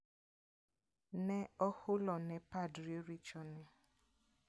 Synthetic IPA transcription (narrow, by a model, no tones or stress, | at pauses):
nɛɔhʊlɔnɛ̃padɾiɾit͡ʃɔnɛ